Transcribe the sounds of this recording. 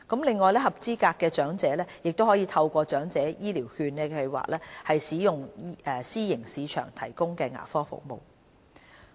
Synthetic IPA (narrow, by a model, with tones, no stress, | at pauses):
kɐ˨˥mlɪ˨ŋːɔː˨jlɛː˥hɐ˨p̚t͡siː˥kaː˧kːɛː˧t͡ʃœː˨˥ŋt͡sɛː˨˥lɛː˥jɪ˨k̚t̪o˥whɔː˨˥jiː˨˧t̪ʰɐ˧wkʷɔː˧t͡ʃœː˨˥ŋt͡sɛː˨˥jiː˥liː˨˩whyː˧nkɛː˧kʰɐ˧wa̰ː˨k̚lɛː˥hɐ˨jsiː˨˥jʊ˨ŋɛː˨˩siː˥jɪ˨˩ŋsiː˨˧t͡ʃʰœ̰ː˨˩ŋt̪ʰɐ˨˩jkʊ˥ŋkɛː˧ŋa̰ː˨˩fɔː˥fʊ̰˨k̚mo̰˨w